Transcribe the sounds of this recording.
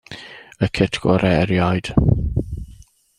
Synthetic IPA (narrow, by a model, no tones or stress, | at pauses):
əkʰɛtʰɡ̥ɔ̰ɾʔɛɾjajd̥